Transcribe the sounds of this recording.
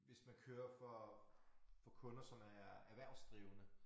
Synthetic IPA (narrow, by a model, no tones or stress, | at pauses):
ʋe̝smænkʰøːɐfɒ | fɒ̽kʰɔ̽nɐsɒ̽mæɐæʋæɐ̰sd̥ʁiːʊnə